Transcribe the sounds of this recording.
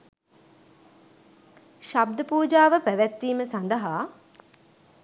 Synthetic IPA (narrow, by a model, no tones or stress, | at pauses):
ʃab̚d̪əpuːd͡ʒaːʋəpæʋæt̪ːiːməsand̪əɦaː